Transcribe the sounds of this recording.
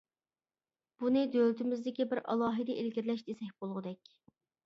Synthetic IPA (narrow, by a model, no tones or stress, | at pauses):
b̥unɨd̪ølɪt̪ɪmɪzd̪ɪkʲibɪɾɑ̰lˠɑːɦɨd̪ɛʔelɡʲiɾlɛʃd̪esɛk̚ʲb̥olˠʁʊd̪ɛkʲ